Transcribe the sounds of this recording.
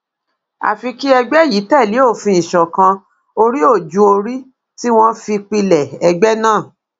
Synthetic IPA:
a̰˨fi˧ki˦ɛ˧ɡ͡bɛ˦˨ji˨˦tɛ˦˨li˨˦o˦˨fĩ˧ĩ˨ʃɔ˨kã˧ | o˧ɾi˦o˦˨d͡ʒu˨˦o˧ɾi˦ | ti˦w̃ɔ̃˦fi˧k͡pi˧lɛ˨ɛ˧ɡ͡bɛ˦nãː˦˨

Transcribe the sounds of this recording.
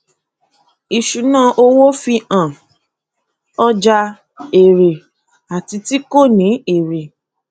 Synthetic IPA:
i˨ʃu˨nã˦ʔo˧wo˦fi˧ã˨ | ɔ˦d͡ʒa˧ | e˨ɾe˨ | a˨ti˧ti˦ko˦˨nĩ˨˦e˨ɾe˨

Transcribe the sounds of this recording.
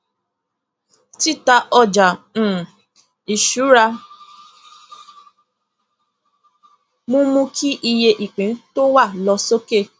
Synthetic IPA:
ti˦ta˧ɔ˧d͡ʒã˨ | i˨ʃu˨˦ɾa˧ | mũ˦mũ˧˦kʰi˦ʔi˧je˧ʔi˨k͡pẽ˨˦to˦wa˦˨lɔ˧so˦ke˦˨

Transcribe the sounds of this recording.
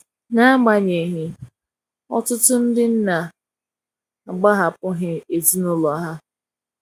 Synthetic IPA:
na˦a˦ɡ͡ba˨ɲe˨ɦɪ˨ | ɔ̰˦tʊ˦tʊ˦n̩˦dɪ˦n̩˦na˨ | a˨ɡ͡ba˦ɦa˨pʊ˦ɦɪ˨e˨zi˦nʊ˦lɔ˨˦ɦa˦

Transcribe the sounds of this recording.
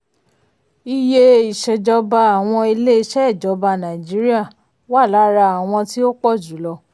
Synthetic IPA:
i˧je˧i˨ʃɛ˨d͡ʒɔ˧ba˧a˨w̃ɔ̃˧e˧le˦˧ʃɛ˦ɛ˦˨d͡ʒɔ˨˧˦ba˧nã˨d͡ʒi˨˦ɾi˦a˦˨ | wa˦˨la˨˦ɾa˧a˨w̃ɔ̃˧ti˦o˦k͡pɔ˦˨d͡ʒu˨˦lɔ˧

